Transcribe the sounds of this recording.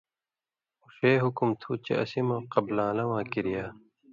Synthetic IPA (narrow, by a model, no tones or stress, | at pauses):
uɕeːɦukumt̪ʰut͡ɕḛʔɐ̰simɐ̃qɐblãːlɐwãːkiɾijaː